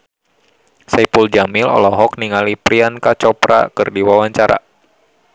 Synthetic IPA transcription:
sɛpuld͡ʒamilɔ̰lɔɦɔk̚niŋalipɾiankat͡ʃɔpɾa̰kɨrdiwawaɲt͡ʃaɾa̰

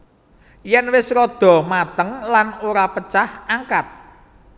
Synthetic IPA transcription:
jɛnwɪsɾɔd̪̥ɔ̤mat̪əŋlanoɾapət͡ʃahaŋkat̪̚

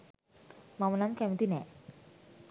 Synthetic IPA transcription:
mamənamkɛmt̪inɛ

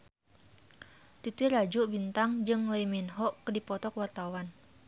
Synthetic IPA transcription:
t̪it̪iɾad͡ʒuʔbint̪aŋd͡ʒɨŋlaiminɦɔʔkːədipɔt̪ɔkwart̪awan

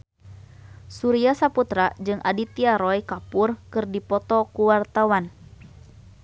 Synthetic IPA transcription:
suɾiasaput̪ɾad͡ʒɨŋʔa̰dit̪iaɾɔjkapurkɨrdipɔt̪ɔkuwart̪awan

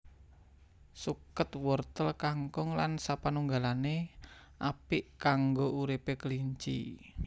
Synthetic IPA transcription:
sukət̪wɔrt̪əlkaŋkʊŋlansapanuŋɡalane | ʔapiʔkaŋɡoʔuɾipekəliɲt͡ʃḭ

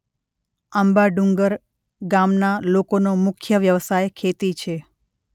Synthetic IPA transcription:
əmbaɖũŋɡəɾ | ɡamnalokonomʊkʰjəʋjəʋsajkʰet̪it͡ʃʰe

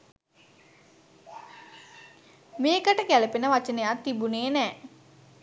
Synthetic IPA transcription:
meːkəʈəkæləpenəʋat͡ʃənejat̪ːibuneːnɛː

